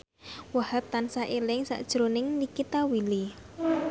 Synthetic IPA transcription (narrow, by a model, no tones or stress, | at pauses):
wahat̪ːansaʔelɪŋsa̰ʔd̥ʒ̥ɾonɪŋnikit̪awili